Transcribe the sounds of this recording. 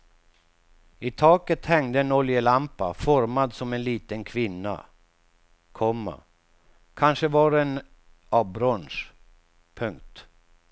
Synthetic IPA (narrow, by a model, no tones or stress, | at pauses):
ɪt̪ʰɑːkət̪hɛŋd̪əɛnɔljəlampafɔɾmad̪sɔmɛnliːt̪ənkʰvɪnːa̰ | kʰɔmːa̰ | kʰanʂəvɑɾɛn | ɑbɾɔnʂ | pʰɵŋk̚t̪